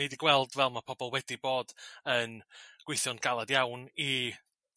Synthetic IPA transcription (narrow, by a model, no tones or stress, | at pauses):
ejdiɡwɛlˠdvɛlˠmapʰɔbɔlˠwɛdiboːd̥ənɡ̥wɪjθjɔnɡ̥alˠadjawni